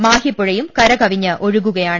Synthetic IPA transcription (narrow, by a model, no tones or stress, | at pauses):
maːhipːɯɻɐjɯmkɐɾɐkɐʋɪɲːɐʔʔɔɻɯɣɯɣɐjaːɳ